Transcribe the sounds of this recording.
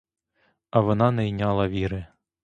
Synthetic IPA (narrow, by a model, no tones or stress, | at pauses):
ɐʋɔnɑnɛjnʲɑlˠɐʋʲiɾɪ